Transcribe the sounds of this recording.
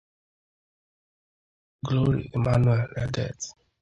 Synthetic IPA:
ɡlo˦ɹḭ˨e˨ma˦nwɛ˨lɛ˨dɛ̰˨t

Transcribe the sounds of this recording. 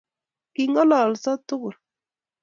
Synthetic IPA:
ki˨ŋɔ˦lɔ˨lsɔ˦tʊ˦ɣʊ˨l

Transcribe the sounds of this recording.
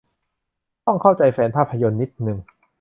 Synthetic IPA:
t̪ɔ˥˩ŋkʰa˥˩wt͡ɕa˧jfɛː˩˦npʰaː˥˩pʰːa˧jo˧nːi˦˥t̪̚nɯ˨˩ŋ

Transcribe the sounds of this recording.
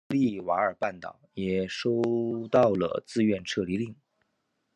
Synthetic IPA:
li˥˩wa˧˥ə˞˨˩pa˥˩nt̪ɑ̰˨˩˦ʊjɛ˨˩ʂo˥ʊt̪ɑ˥˩ʊlə̰˩t͡sɹ̩˥˧ɥɛ˥˧nʈ͡ʂʰɤ˥˧li˧˥˧li˥˩ŋ

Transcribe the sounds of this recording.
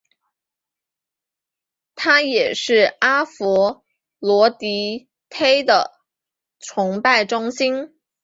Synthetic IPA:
t̪ʰa˥jɛ˨˩ʂɻ̩˥˩a˥fɔ˧˥ | lwɔ˧˥t̪i˧˥ | t̪ʰe˥ɪd̪ə˨ | ʈ͡ʂʰʊ˧˥ŋpa˥˩ɪʈ͡ʂʊ˥ŋɕi˥n

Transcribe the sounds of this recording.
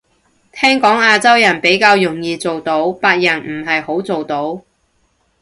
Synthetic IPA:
t̪ʰɛː˥ŋkɔː˨˥ŋaː˧t͡sɐ˥wjɐ˨˩npe˨˥jkaː˧wjʊ˨˩ŋjiː˨˧t͡so˨wt̪o˨˥wpaː˧k̚jɐ˨˩nm̩˨˩ɦɐ˨jho˨˥wt͡so˨wt̪o˨˥w

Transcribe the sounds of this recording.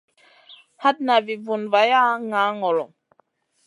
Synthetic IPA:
ha˦t̚na˨vi˨vu˨nva˨ja˦ŋa˨˦ŋɔ˨lɔ˨

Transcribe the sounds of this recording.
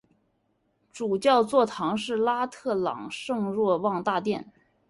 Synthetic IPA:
ʈ͡ʂu˨˩t͡ɕjɑ˥˧ʊt͡swɔ˥˩t̪ʰɑ˧˥ŋʂɻ̩˥˩la˥t̪ʰɤ˥˩lɑ̰˨˩ŋʂɤ˥˧ŋɻwɔ˥˧wɑ˥˧ŋt̪a˥˧t̪jɛ˥˩n

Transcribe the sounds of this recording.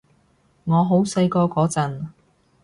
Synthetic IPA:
ŋɔː˨˧ɦo˨˥wsɐ˧jkɔː˧kɔː˨˥t͡sɐ˨n

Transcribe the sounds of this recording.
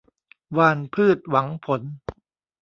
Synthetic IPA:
waː˧npʰɯː˥˩t̪̚wa˩˦ŋpʰo˩˦n

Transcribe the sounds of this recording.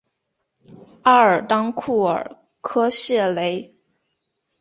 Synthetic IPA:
a˥˩ə˞˨˩t̪ɑ˥ŋkʰu˥˩ə̰˞˨˩ | kʰɤ˥ɕjɛ˥˩le˧˥ɪ

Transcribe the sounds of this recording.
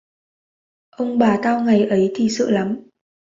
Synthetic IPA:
ʔə˧wŋ͡mɓaː˨˩t̪aː˧wŋa˨˩jʔə˨˦jt̪ʰi˨˩sɨ̰˧˨la˨˦m

